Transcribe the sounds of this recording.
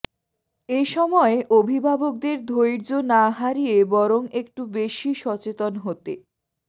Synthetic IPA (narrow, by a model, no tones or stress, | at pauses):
eʃɔmɔeʔobʱibʱabok̚d̪eɾd̪ʱojɾd͡ʑonaɦaɾijebɔɾoŋek̚ʈubeʃiʃɔt͡ɕet̪onɦot̪e